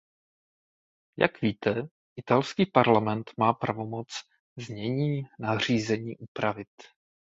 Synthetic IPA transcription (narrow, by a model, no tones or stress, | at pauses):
ja̰kviːt̪ɛ | ʔɪt̪alskiːpaɾlamɛnt̪maːpɾavo̞mo̞t͡s | zɲɛɲiːnar̝iːzɛɲiːʔupɾavɪt̪